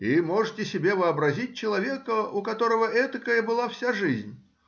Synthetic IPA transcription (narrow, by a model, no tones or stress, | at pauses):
imoʐɨtʲɪsʲɪbʲevɨɐbɾɐzʲit̚ʲt͡ɕɪlˠɐvʲekəukɐt̪oɾəvəʔɛt̪əkəjəbɨlˠafsʲaʐɨzʲnʲ